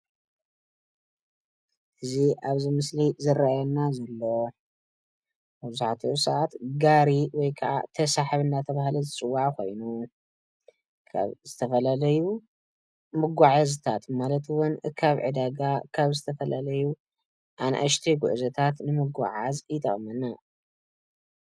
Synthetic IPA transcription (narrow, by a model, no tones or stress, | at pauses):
ʔɨziʔaβzimɨslizɨɾajɛnazɐlːo̞ | bɨzʊħat̪ʰuʔsɐʔat̪ɡaɾiwɔjkʰɐʔa̰t̪ʰɐsaħaβɨnːat̪ʰɐβahlizɨt͡sʼɨwːaʕkʰo̞̰jnu | kʰa̰βzɨt̪ʰɐfɐlalɐju | mɨɡʷaʕazt̪ʰat̪malɐt̪wʊnkʰaβʕɨ̰d̪aɡakʰaβzɨt̪ʰɐfɐlalɐju | ʔanʔa̰ʃt̪ʰiɡṵʔzɐt̪ʰat̪nɨmɨɡa̰ʕazit̪ʼɐ̰χʼmɐna